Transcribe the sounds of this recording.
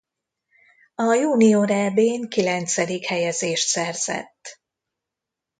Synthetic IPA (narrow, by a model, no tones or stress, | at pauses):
ɒjuːnioɾɛbeːŋkilɛnt̪sɛd̪ikhɛjɛzeːʃt̪sɛrz̥ɛ̰t̪ː